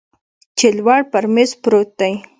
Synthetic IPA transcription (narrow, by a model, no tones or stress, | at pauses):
t͡ʃɪlwaɽpaɾmezpɾot̪ːaj